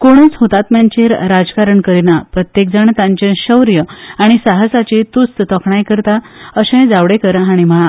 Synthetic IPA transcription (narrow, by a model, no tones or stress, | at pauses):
koɽ̃ət͡sɦot̪at̪mjaɲt͡ɕeɾɾad͡zkaɾəɳkəɾinapɾət̪jek̚d͡zaɳt̪ãɲt͡ɕẽɕəwɾjəaɽ̃isaɦəsat͡ɕit̪ust̪t̪ɔkʰɳajkəɾt̪a | əɕə̃jd͡zaʋɽekəɾɦaɽ̃im̤əɭa